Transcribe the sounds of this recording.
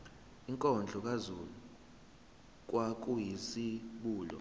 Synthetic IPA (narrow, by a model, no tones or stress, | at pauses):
iŋkʼɔnd͡ɮʱɔk̬ʼazulu | k̬ʼwak̬ʼujisiɓuːlɔ̰